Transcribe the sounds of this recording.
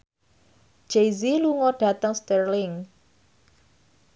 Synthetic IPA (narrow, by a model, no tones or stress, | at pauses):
d͡ʒ̥ejziluŋɔɖ̥a̤t̪əŋst̪ərlɪŋ